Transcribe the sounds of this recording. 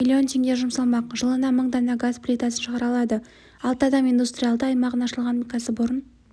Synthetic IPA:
ilʲːio̞ntʲʰe̞ŋd̪ʲeʒʊmsɑlˠmɑqʒəlˠənɑməɴd̪ɑnɑɡasplʲejt̪asənʃəʁɑɾɑlˠɑd̪ə | ɑlˠt̪əɑd̪ɑmijnd̪ust̪rʲijalˠd̪əɑjmɑʁənɑʃəlˠʁɑnʲikasəbʊɾən

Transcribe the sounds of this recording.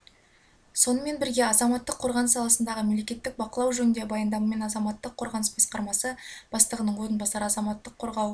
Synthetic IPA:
so̞nəme̞nbɪɾɡʲe̞ɑzɑmɑt̪ːəqʰːo̞ɾʁɑnəsɑlˠɑsənd̪ɑʁəmemle̞kʲe̞t̪ːɪk̚bɑqəlˠɑwʒɵnɪnd̪e̞bɑjənd̪ɑmɑme̞nɑzɑmɑt̪ːəqʰːo̞ɾʁɑnəsbɑsqɑɾmɑsəb̥ɑst̪əʁənəɴwo̞ɾənbɑsɑɾəɑzɑmɑt̪ːəqʰːo̞ɾʁɑw

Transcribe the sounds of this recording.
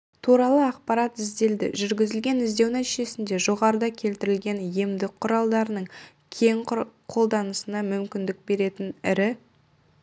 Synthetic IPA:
t̪ʰuɾɑlˠəɑqpɑɾɑt̪ɪzd̪e̞ld̪ɪ̰ʒʏɾɡʲɪzɪlɡʲe̞nɪzd̪e̞wnæt̪iʒe̞sɪnd̪e̞ʒo̞ʁɑɾəd̪ɑkʲʰe̞lt̪ɪɾɪlɡʲe̞nje̞md̪ɪk̚qʰːʊɾɑlˠd̪ɑɾənəɴ | kʲʰe̞ŋqʰo̞lˠd̪ɑnəsənɑmʏmkʲɪnd̪ɪk̚be̞ɾe̞t̪ɪnɪɾɪ

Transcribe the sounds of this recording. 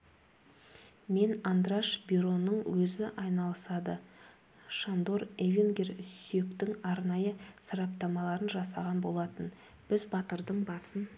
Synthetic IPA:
me̞nɑnd̪ɾɑʃbiɾo̞nəɴwɵzɪʔɑjnɑlˠəsɑd̪ə | ʃand̪o̞ɾevʲiŋɡʲersʏje̞kt̪ɪŋɑɾnɑjəsɑɾɑp̚t̪ɑmɑlˠɑɾənʒɑsɑʁɑnbo̞lˠɑt̪ən | b̥ɪzbɑt̪əɾd̪əɴbɑsən

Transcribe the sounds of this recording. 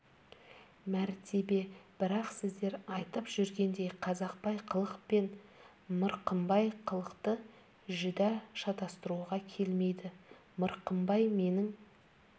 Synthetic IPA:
mæɾt̪ʰe̞be̞b̥ɪɾɑqsɪzd̪e̞ɾɑjt̪əpʒ̥ʏɾɡʲe̞nd̪e̞jqʰɑzɑq̚pɑjqʰəlˠəqpe̞n | məɾqəmbɑjqʰəlˠəqt̪ə | ʒʏd̪ɑʃɑt̪ɑst̪əɾuʁɑkʲʰe̞lme̞jd̪ɪ | məɾqəmbɑjme̞nɪŋ

